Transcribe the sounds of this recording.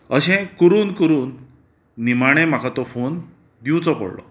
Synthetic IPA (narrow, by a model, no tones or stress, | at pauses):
əɕɛ̃kəɾuːnkəɾuːnː | imaɽ̃ɛ̃m̤akʰat̪ɔfon | d̪iwt͡sɔpə̰ɽlɔ̰